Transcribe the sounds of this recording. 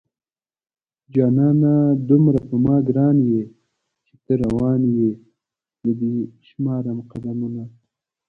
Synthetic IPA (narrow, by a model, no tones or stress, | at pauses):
d͡ʒɑːnɑːnad̪umɾapəmɑːɡɾɑːnje | t͡ʃe̥t̪əɾawɑːnje | ləd̪iʃmɑːɾamqad̪amuna